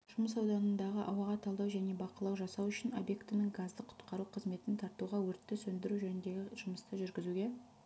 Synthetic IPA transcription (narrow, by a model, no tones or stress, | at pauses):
ʒ̥ʊməsɑwd̪ɑnənd̪ɑʁəʔɑ̰wɑʁɑt̪ʰɑlˠd̪ɑwʒæne̞bɑqəlˠɑwʒɑsɑwʏʃɪno̞̰bje̞kt̪ɪnɪŋɡazd̪əqʰʊ̥t̪qɑɾuqʰəzme̞t̪ɪnt̪ʰɑɾt̪uʁɑwɵɾt̪ːɪsɵnd̪ɪɾuʒɵnɪnd̪e̞ɡʲɪʒ̥ʊməst̪əʒʏɾɡʲɪzuɡʲe̞